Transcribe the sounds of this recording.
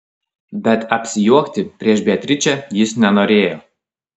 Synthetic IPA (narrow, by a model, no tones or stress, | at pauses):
bʲɛt̪ɐpʲsʲɪjuɔkt̪ʲɪpʲɾʲiɛʃbʲiɛt̪ʲɾʲɪt͡ʃʲɛjɪsnʲɛnoːɾʲeːjo